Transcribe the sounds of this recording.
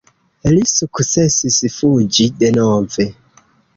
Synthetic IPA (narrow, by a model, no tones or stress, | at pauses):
lisukusɛsisifud͡ʒidɛnɔvɛ